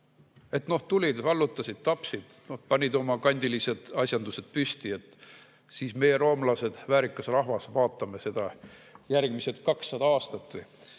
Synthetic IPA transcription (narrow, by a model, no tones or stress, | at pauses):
e̞t̪no̞ht̪ulʲid̪vɑlːut̪ːˑɑsid̪̥t̪ɑpsid̪̥no̞hpɑnʲid̪o̞mɑkɑnʲd̪̥ilise̞d̪̥ɑsʲjɑnd̪̥use̞d̪̥̚pysʲt̪ie̞t̪ːˑ | siːsme̞jeɾo̞ːmlɑse̞d̪̥væːɾikːˑɑsrɑɦvɑsvɑːt̪ːˑɑme̞se̞d̪̥ɑjærɡ̥miset̪kɑksːɑd̪ɑɑːst̪ɑt̪ːvɯj